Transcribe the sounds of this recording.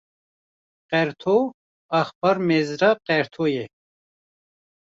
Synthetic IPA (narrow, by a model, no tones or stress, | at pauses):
qɛɾt̪ʰo | ɐxbɐɾmezɾaqɛɾt̪ʰoje